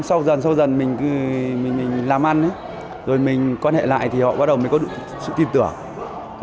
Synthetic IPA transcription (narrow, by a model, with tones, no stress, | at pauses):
sa˧wzə˨˩nsa˧wzə˨˩nmï˨˩ŋ̟kɨ˨˧˦mï˨˩ŋmï˨˩ŋ̟laː˨˩mʔa˧nʔɨ˨˦ | zo˨˩jmï˨˩ŋ̟kwaː˧nhḛ˧˨la̰ː˧˨jt̪ʰi˨˩hɔ̰˧˨ɓaː˧˦˥ɗə˨˩wmə˨˩˦kɔ˨˦ɗɨ̰˧˨˧sɨ̰˧˨t̪i˧˩nt̪ɨ˧˩əŋ